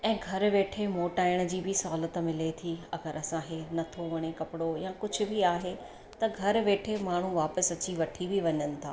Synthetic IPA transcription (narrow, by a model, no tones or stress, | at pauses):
ɛ̃ːɡʱɐɾʋeːʈʰemoːʈaːɪɽ̃ə̆d͡ʑiːbɪsɐɦaːlət̪mɪlet̪ʰiɐɡəɾɐsãɦenɐt̪ʰoʋɐɽ̃ekɐpɪɽojãːkʊd͡ʑʱʊ̆bɪaːɦe | t̪ɐɡʱɐɾʋeːʈʰemaːɳ̤ũʋaːpəsɐt͡ɕiʋɐʈʰibɪʋɐɲənɪ̆t̪ʰaː